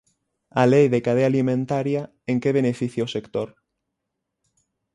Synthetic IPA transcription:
alejðekaðealimẽnt̪aɾja | eŋkeβ̞enefiθjaosekt̪oɾ

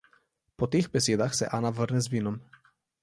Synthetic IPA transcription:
pot̪ixbɛsʲjed̪axsɛ̰ʔanavrnɛzviːnɔm

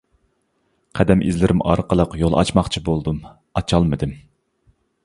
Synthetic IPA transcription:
qʰæd̪ɛmʔizlɪɾɪmɑ̰ɾqəlˠəqjolˠʔɑ̰t͡ʃmɑχt͡ʃʰibolˠd̪um | ɑt͡ʃʰɑlˠmɨd̪ɪm

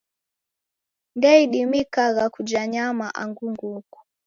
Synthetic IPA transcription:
ndɛiɗimikaɣakud͡ʒaɲamaʔa̰ŋɡuŋɡuku̥

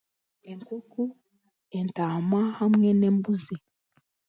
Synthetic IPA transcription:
eŋkuku | entamahamŋɛnɛmbuzi

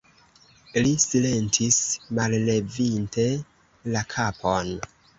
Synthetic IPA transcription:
lisile̞ntʰismalle̞vinte̞ | lakʰapʰon

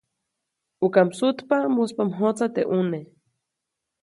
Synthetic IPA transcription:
ukamsut̪pamuspamɦot͡sat̪ḛʔune

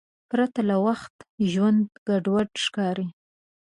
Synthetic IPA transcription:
pɾat̪alawaxt̪ʒwand̪ɡ̥aɖwaɖʃkɑɾi

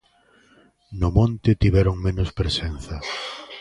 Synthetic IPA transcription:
nʊmõnt̪ɪt̪iβɛɾoŋmẽnʊspɾesenθɐ

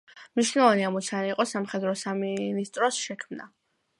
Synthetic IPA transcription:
mniʃnɛlɔvaniamɔt̪sʰanaiqʼɔsamχɛd̪ɾɔsaminist̪ʼɾɔsʃɛkʰmna̰

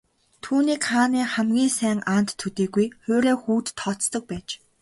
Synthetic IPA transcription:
t̪ʰuːniːkχaːniːχæmɡʲiːŋsæːŋaːn̥t̪ʰːɵt̪iːɣujχʊːɾeːxuːt̪ʰːɔt͡st̪ɞ̆k̚pæːt͡ɕ

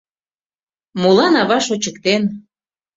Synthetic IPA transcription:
molɑnɑβɑʃot͡ɕəkt̪en

